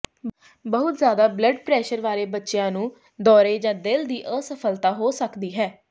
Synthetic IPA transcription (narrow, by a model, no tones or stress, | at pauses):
bəɦʊt̪zjaːd̪aːbləɖpɾɛːʃəɾʋaːɾeːbətːʃjãːnũː | d̪ɔːɾeːd͡ʒãːd̪ɪld̪iːʔəsəpʰəlt̪aːɦoːsəkd̪iːɦɛː